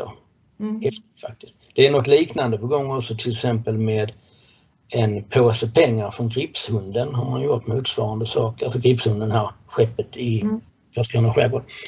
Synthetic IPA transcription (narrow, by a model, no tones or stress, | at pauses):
o̰ | hɛft̪ɪt̪fa̰k̚t̪ɪskt̪d̪̥ɛæɾnɔt̪ːliːknand̪əpɔɡɔŋːɔksɔt̪ʰɪlɛksɛmpəlmeːd̪ | ɛnpʰoːsəpʰɛŋːaɾfɾɔnɡɾɪpshɵnd̪ənɦaɾmanjʊʈmuːt̪svɑːɾand̪əsɑːkəɾasɔɡɾɪpshɵnd̪ənɦaɾɧɛpːət̪ʰɪ | fœskɾuːnəɧɛbod